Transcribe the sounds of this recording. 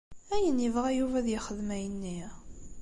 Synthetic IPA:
æjənəvʁæjuvæðjəχəðmæjənːi

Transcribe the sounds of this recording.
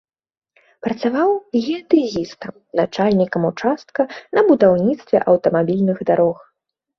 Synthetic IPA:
pɾɐt̪savawɣʲɛd̪ɨzʲist̪ɐm | nat͡ʂalʲnʲikɐmut͡ʂast̪̚kɐnɐbud̪awnʲit̪st̪vʲɛ̰ʔɐwt̪ɐmabʲilʲnɨɣd̪aɾɔx

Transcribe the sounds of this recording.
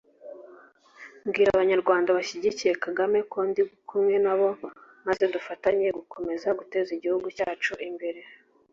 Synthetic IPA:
mɡiːɾaβaɲaɾɡwaːndaβaʃiɟicije̞kaɡame̞koːndiɡukumŋe̞naβo̞ | maze̞dufataɲe̞ɡukʰo̞me̞zaɡute̞ːziɟihuɡucaːt͡ʃuʔimbe̞ɾe̞

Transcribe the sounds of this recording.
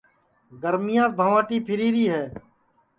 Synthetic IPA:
ɡəɾmɪjãːs̚bʱəʋãːʈiːpʰɪɾiːɾiːɦɛː

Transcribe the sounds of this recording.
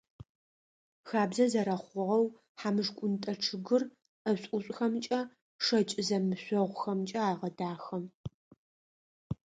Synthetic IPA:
xaːbzɐzɐɾɐχʷʊʁɐw | ħamɨʐkʷʼʊntʼɐʈ͡ʂʰɨɡɨr | ɐɕʼʊɕʼxɐmt͡ʃʼɐ | ʂɐt͡ʃʼɪzɐmɨɕʷɔʁʷxɐmt͡ʃʼɐaːʁɐdaːxɐm

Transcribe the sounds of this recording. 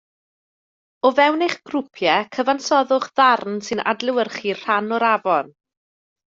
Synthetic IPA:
ɔvɛwnɪχɡ̥rʊpʰjɛkʰəvansɔðʊχðarnsɨnʔa̰dlɪwərχir̥anɔɾavɔn

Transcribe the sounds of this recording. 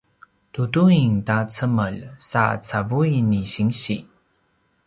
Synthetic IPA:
tutuiŋtat͡səməlsa̰t͡savujniɕiŋɕi

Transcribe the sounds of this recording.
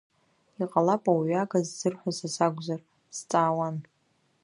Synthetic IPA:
iqʼalapʼawɥɥaɡazzɨrħʷasasaɡʷzar | st͡sʼaːwan

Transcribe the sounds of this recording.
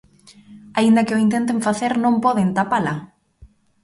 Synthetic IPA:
aind̪ɐkɪoint̪ent̪ẽɱfaθeɾnõŋpɔðent̪apalɐ

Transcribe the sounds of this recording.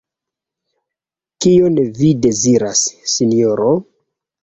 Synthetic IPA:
kionvide̞ziɾasːinijoɾo

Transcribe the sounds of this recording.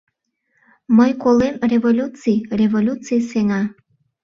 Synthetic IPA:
məjkolemrevolʲut͡sijrevolʲut͡sijseŋɑ

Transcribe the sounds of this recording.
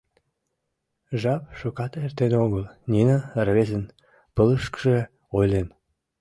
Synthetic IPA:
ʒɑp̚ʃokɑt̪ert̪eneoɣəlnʲinərβezən | pələʃkə̥ʒe | ojlem

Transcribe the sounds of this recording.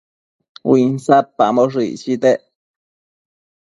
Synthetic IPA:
winsat̚pamoʐit͡ʃit̪eʔ

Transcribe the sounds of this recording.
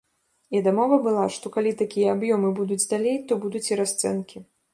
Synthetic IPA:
id̪amɔvɐbɨlˠaʂt̪ɔkalʲit̪akʲijɐabjɔmɨbud̪ud͡zʲd̪alʲejt̪ɔbud̪ut͡sʲiɾast̪sɛ̰nkʲi

